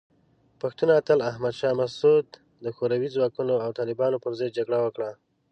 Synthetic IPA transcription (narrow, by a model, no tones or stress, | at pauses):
paxt̪unat̪əlahmad̪ʃɑmasud̪ː | əxoɾawizwɑkunoawt̪ɑlɪbɑnopəɾzaj̪̚d͡ʒaɡɽawəkɽa